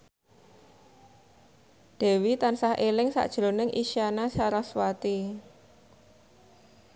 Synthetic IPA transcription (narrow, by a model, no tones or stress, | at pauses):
d̥ɛ̤wit̪ansahʔelɪŋsa̰ʔd̥ʒ̥ɾonɪŋʔḭʃianasaɾaswat̪i